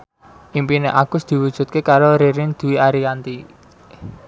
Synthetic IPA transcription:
ʔimpineʔaɡ̥ʊsd̪̥i̤wud̥ʒ̥ṳt̪̚kekaɾoɾeɾɪnd̪̥ṳwiaɾikant̪i

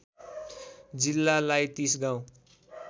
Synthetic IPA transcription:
d͡zilːalajt̪isɡaw̃

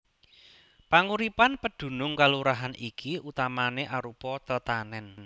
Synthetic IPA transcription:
paŋuɾipanpəd̪̥ṳnʊŋkaluɾaɦanʔikʰiʔut̪amaneʔaɾupɔt̪ət̪anɛn

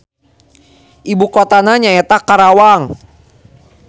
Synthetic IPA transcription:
ʔibukot̪anaɲaɛt̪akaɾawaŋ

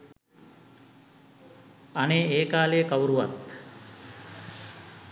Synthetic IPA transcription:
aneːeːkaːlejəkawɾuʋa̰t̪

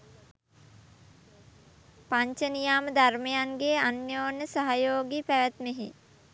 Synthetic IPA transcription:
paɲt͡ʃənijaːməd̪armejaŋɡeːanjoːnːəsaɦajoːɡipæʋæt̪meɦḭ

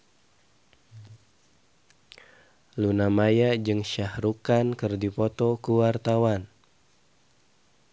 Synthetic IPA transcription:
lunamajad͡ʒɨŋʃahɾukankɨrdipɔt̪ɔkuwart̪awan

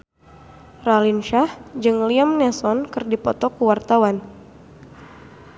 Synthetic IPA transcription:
ralinʃahd͡ʒɨŋliamnɛsɔnkɨrdipɔt̪ɔkuwart̪awan

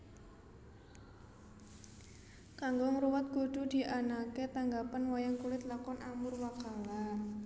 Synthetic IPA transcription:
kaŋɡoŋəɾuwat̪̚kuɖ̪̥ṳd̪̥i̤ʔanaket̪aŋɡapanwajaŋkulɪt̪lakɔnʔamʊrwakala

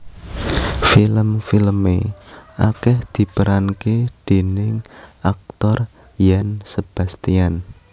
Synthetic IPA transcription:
filəmfilmḛʔa̰kɛhd̪̥i̤pəɾanked̪̥e̤nɪŋak̚t̪ɔr | jansəb̥a̤st̪ian

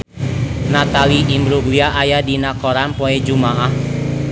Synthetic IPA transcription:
nat̪aliʔimbɾuɡiaʔajadinakɔɾanpoed͡ʒumaʔah

